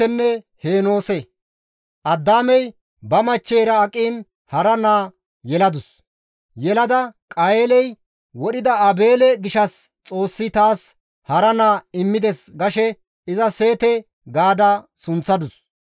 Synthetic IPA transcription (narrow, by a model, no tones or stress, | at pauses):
ɛnːɛ | heːno̞ːsɛ | ʔɐd̪ːaːmɛj | bɐmɐt͡ʃːeːɾɐːkʼiːn | hɐɾɐnaː | jɛlɐd̪ʊs | jɛlɐd̪ɐkʼɐjeːlɛj | wɔɗɪd̪ɐɐbe̞ːlɛɡɪʃɐst͡sʼo̞ːsːɪt̪aːs | hɐɾɐnaːɪmːɪd̪ɛsɡɐʃɛ | ɪzɐseːt̪ɛ | ɡaːd̪asʊnt͡sːɐd̪ʊs